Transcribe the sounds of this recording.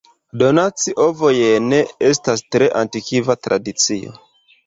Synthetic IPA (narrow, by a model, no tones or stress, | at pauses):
do̞nat͡siʔo̞vojene̞es̬tastɾe̞ʔantikivatɾʔa̰dit͡sio̞̰